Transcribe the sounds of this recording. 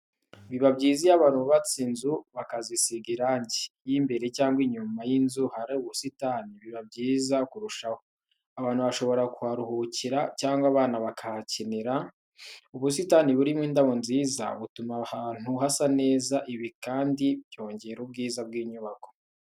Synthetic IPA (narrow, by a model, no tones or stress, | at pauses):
βiβabɟiːzijaβaːnuβat͡sinzuβakazisiɡiɾaɲɟejimbe̞ɾe̞caːŋɡwiɲumajinzuhaɾeuβusitaniβiβabɟiːzakuɾuʃaho | aβaːn̥huβaʃo̞βo̞ɾakuhaɾuhuciɾacaːŋɡwaβaːnaβakahaciniɾa | uβus̬itaniβuɾimŋiːndaβonziːza̰βutumahaːn̥huhasane̞ːzaʔiβikaːndibjo̞ːɲɟe̞ɾub̚ɡiːzab̚ɡiːɲuβako